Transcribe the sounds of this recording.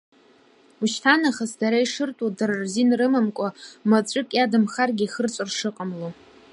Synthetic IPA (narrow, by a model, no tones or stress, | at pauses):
uʃtʰanaχasdaɾaiʂɨrtʼudarrzinrɨmamkʷʼamat͡sʷʼɨkʼjadɨmχarɡʲiχərt͡sʷʼɨrʂɨqʼəmlo